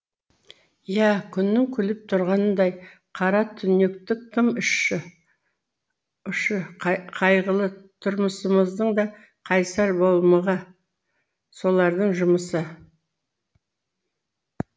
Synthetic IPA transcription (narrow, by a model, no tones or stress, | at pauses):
jækʲʰʏnːɪŋkʲʰʏlɪp̚t̪ʰʊɾʁɑnənd̪ɑj | qʰɑɾɑt̪ʰʏne̞kt̪ɪkkʰʲːɪmʏʃ | ʏʃəqʰɑjʁəlˠət̪ʰʊɾməsəməzd̪əɴd̪ɑ | qʰɑjsɑɾbo̞lˠməʁɑ | so̞lˠɑɾd̪əɴʒʊməsə